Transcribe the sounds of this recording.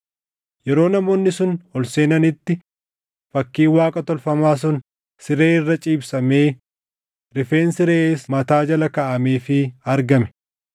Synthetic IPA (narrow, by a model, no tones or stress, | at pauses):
jɛɾo̞ːnɐmoːnːɪsʊnhɔlseːnɐnɪt̪ːɪ | fɐkːiːwaːkʼɐt̪ɔlfɐmaːs̬ʊn | sɪɾe̞ːɪrːɐt͡ʃʼiːbsɐmeː | ɾɪfe̞ːnsɪɾeːsmɐt̪aːd͡ʒɐlɐkɐʔɐmeːfɪɐɾɡɐmɛ̥